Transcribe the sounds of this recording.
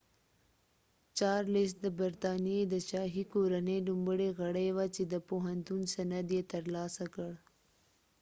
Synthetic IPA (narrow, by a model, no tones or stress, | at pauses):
t͡ʃɑːɾlɪsd̪əbɐɾt̪ɑːnijed̪ət͡ʃɑːɦikoːɾɐneɖumbəɽeɣɐɽejwat͡ʃed̪əpoɦɐnt̪unsɐnɐd̪jet̪ɐɾlɑːsakəɽ